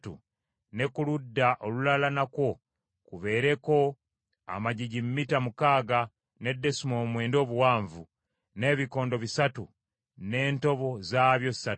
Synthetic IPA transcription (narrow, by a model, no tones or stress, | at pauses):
tṵ | ne̞kuludːaʔolulalanakwo̞ | kuβe̞ːɾe̞ko̞ | a̰maɟiɟimːitamukaːɡa | ne̞dːe̞sumoːmwe̞ːndo̞ːβuwaːɱvu | ne̞ːβiko̞ːndo̞βisatu | ne̞ːnto̞βo̞zaːβjo̞ssatu